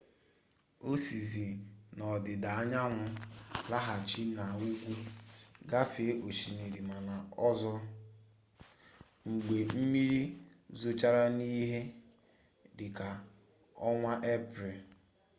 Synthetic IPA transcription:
o˦si˨zi˨nɔ˨dɪ˨da˨a˦ɲa˦ŋʷʊ˨la˦ɦa˨t͡ʃi˦na˨u˦ɡʷu˦ɡa˦fe˨˦ʔo˨ʃi˨ne˨ɾi˨ma˨na˨ɔ˦zɔ˦ | ŋ͡m̩˨ɡ͡be˨m̩˦mi˦ɾi˦ | zo˨t͡ʃa˦ɾa˦ni˦ɦe˦ | dɪ˨ka˨ | ɔ˦ŋʷa˦ʔe˦pɾe˨

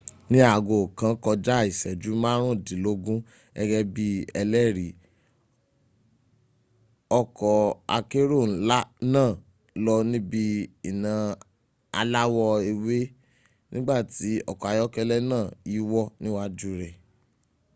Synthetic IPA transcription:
nĩ˦a˦˨ɡo˨kã˨˦kɔ˧d͡ʒa˦˨i˨sɛ˨d͡ʒu˨˦mãː˦ɾ̃ũ˦˨di˨˦lo˧˦ɡũ˦ | ɛ˧ɡɛ˧bi˧˦ɛ˧lɛ˦˨ɾi˨ | ɔ˦kɔ˧a̰˧ke˦ɾo˦˨n̩˦la˦nãː˦˨ | lɔ˧nĩ˦bi˧i˨nã˨ | a̰˧la˦wɔ˧e˧we˦ | nĩ˦ɡ͡ba˦˨ti˨˦ɔ̰˦˨kɔ˨a˨jɔ˦kɛ˧lɛ˦nãː˦˨i˨˦wɔ˦nĩ˦wa˦d͡ʒu˦ɾɛ˨

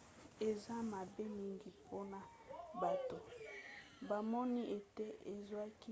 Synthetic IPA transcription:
e˨za˦ma˨be˦mi˦ŋɡi˨pʰo˦na˨ | ba˨to˨ | ba˨mɔ˦ni˦ʔe˨te˦e˨za˦ki˦

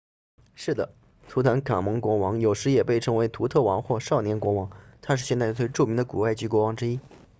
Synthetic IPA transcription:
ʂɻ̩˥˩d̪ə˩ | t̪ʰu˧˥t̪ʰa˧˥nkʰa̰˨˩nmɤ˧˥ŋkwɔ˧˥wɑ˧˥ŋjo˨˩ʊʂɻ̩˧˥jɛ˨˩pe˥˩ɪʈ͡ʂʰɤ˧˥ŋwe˧˥ɪt̪ʰu˧˥t̪ʰɤ˥˩wɑ̰˧˥ŋxwɔ˥˧ʂɑ˥˩ʊnjɛ˧˥nkwɔ˧˥wɑ˧˥ŋt̪ʰa˥ʂɻ̩˥˧ɕjɛ˥˧nt͡sa˥˧ɪt͡swe˥˧ɪʈ͡ʂu˥˩mi˧˥ŋd̪ə˧ku˨˩wa˥˩ɪt͡ɕy˧˥kwɔ˧˥wɑ˧˥ŋʈ͡ʂɻ̩˥i˥

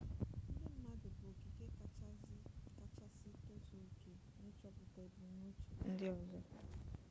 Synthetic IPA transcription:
n̩˦dɪ˦m̩˦ma˦dʊ˨bo˨ɡi˨ke˦kka˦t͡ʃa˦sɪ˦to˦zo˨ke˨ | no˦t͡ʃɔ˦pʊ˨ka˨e˨bu˨˦o˦t͡ʃu̥˨n̩˦dɪ˦ɔ˨zɔ˦

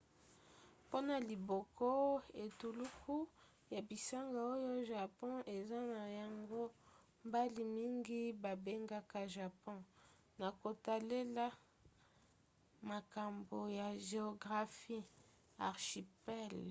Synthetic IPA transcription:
po˦na˨li˨bɔ˨kʰɔ˦e˨tu˨lu˦ku˦ | ja˨bi˨sa˦ŋɡa˨o˦jo˦ʒa˨pɔ̃˦ʔe˨za˦na˨ja˨ŋɡo˦ | mba˦li˨mi˦ŋɡi˦ba˨be˦ŋɡa˦ka˦ʒa˨pɔ̃˦ | na˨ko˨ta˨le˦la˦ | ma˨ka˨mbo˨ja˨ʒe˨o˨ɡʁa˨fi˦ | a˨ʁʃi˨pɛ˦˨l

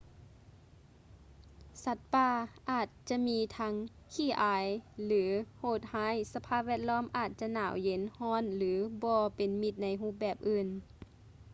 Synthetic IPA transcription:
sa˧˥t̪̚paː˧˩ʔaː˨˩t̪̚t͡ɕa˧miː˧˥t̪ʰa˧˥ŋ | kʰiː˧˩ʔaː˨˩jlɯː˨˦hoː˧˩t̪̚haː˧˥˨jsa˧pʰaː˧˥˨p̚ʋɛː˥˩˨t̪̚lɔː˧˥˨mʔaː˨˩t̪̚t͡ɕa˧˨naː˨˩wje˨˦nhɔː˧˥˨nlɯː˨˦bɔː˧pe˨nmi˧˩t̪̚na˧˥jɦuː˧˥˩p̚bɛː˨˩p̚ʔɯː˧˩n

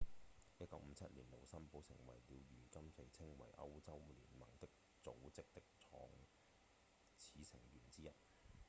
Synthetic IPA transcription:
jɐ˥t̚kɐ˨˧˥wm̩˨˧t͡sʰɐ˥t̚liː˨˩nlo˨˩wsɐ˥mpo˨˥wsɪ˨˩ŋwɐ˨˩jliː˨˧wɥyː˨˩kɐ˥mt͡se˨˧jt͡sʰɪ˥ŋwɐ̰˨˩jʔɐ˥wt͡sɐ˥wlḭː˨˩nmɐ˨˩ŋt̪ɪ˥k̚ | t͡so̰˨˥wt͡sɪ˥k̚t̪ɪ˥k̚t͡sʰɔ̰ː˨˥ŋ | t͡sʰiː˨˧sɪ˨˩ŋɥyː˨˩nt͡siː˥jɐ˨t̚

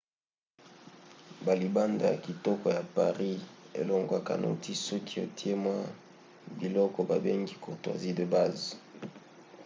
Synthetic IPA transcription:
ba˨li˨ba˦nda˨ja̰˨ki˨tɔ˦kɔ˨ja˨pa̰˨ʁi˦ḛ˨lo˨ŋɡwa˨ka̰˨nʔṵ˦tʰi˦sɔ˦kʰi˦o˨tʰi˦e˦mwa˦ | bi˨lɔ˦kɔ˨ba˨be˦ŋɡi˦ko˨twa̰˨zi˦də˨ba˦z

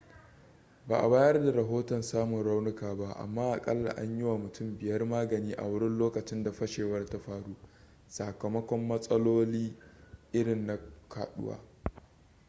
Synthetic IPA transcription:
baː˨ʔa˨baː˦jɐ˦rda˨ɾɐ˨ɦoː˦tɔ˨nsaː˦mʊ˨nɽa˦wnɪ˦kaː˨ba˦ʔa̰˨mːaː˦ʔa˨kʼɐ˦lːa̰˨ʔa̰˦ɲjɪ˦wa˨mʊ˨tʰʊ˦˨mbɪ˨jɐ˦rmaː˦ɡɐ˨niː˦ʔa̰˨wʊ˦ɽɪ˦nloː˦kɐ˨t͡ʃɪ˦nda˨ɸɐ˦ʃeː˨wɐ˦rta˦ɸaː˨ɽuː˦ | sa˨kɐ˨mɐ˦kʷɔ˦mːɐ˦sʼɐ˦loː˦liː˦ʔɪ˦ɽɪ˨nːa˨kʰa̰ː˨ɗʊ̰˦wa̰ː˦

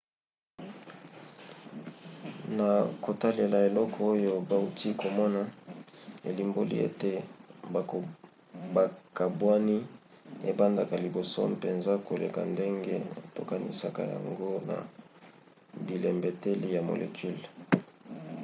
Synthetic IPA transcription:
na˨ko˨ta˦le˨la˨e˨lɔ˦kʰɔ˦o˦jo˦ba˦u˦ti˦kʰo˨mɔ˦na˨ | ḛ˨li˨mbo˦lḭ˦ḛ˦te˦b | ba˨ka˨bwa˦ni˦ | e˦ba˦nda˨ka˨li˨bo˨sɔ̰˦m˨pe˨nza˦ko˨le˨ka̰˨nde˦ŋɡe˦to˨ka˨nḭ˨sa˨ka̰˨ja̰˨ŋɡo˦na̰˨ | bi˨le˨mbe˨te˦li˦ja˨mo̰˨lʔḛ˨kʰy˦l

